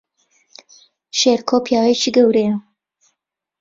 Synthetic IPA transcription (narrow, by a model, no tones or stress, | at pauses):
ʃeɾkʰopʰjaːwet͡ʃʰiɡɐwɾejɐ